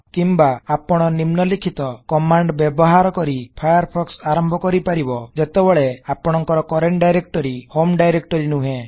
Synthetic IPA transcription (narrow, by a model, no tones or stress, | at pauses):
kimbaːpɔɽ̃ɔnimnɔlikʰit̪ɔkɔmaɳɖbjebɔɦaɾɔkɔɾipʰajɔɾpʰɔksaɾɔmbʱɔkɔɾipaɾibɔd͡ʒet̪ebɔɭeapɔɽ̃ɔŋkɔɾɔkɔɾeɳʈɖajɾek̚ʈɔɾihomɖajɾek̚ʈɔɾinuɦẽ